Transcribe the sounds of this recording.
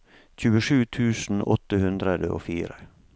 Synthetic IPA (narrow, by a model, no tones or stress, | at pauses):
c͡çʉːəʂʉːt̪ʰʉːsn̩ɔt̪əhʉnd̪ɾəd̪əʔo̰ːfiːɾə